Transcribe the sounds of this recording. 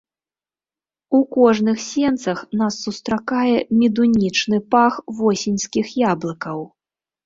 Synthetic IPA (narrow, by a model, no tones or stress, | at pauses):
ukɔʐnɨxsʲɛnt̪sɐxnasːust̪ɾakajɛmʲid̪unʲit͡ʂnɨpaxvɔsʲinʲskʲixjablˠɐkɐw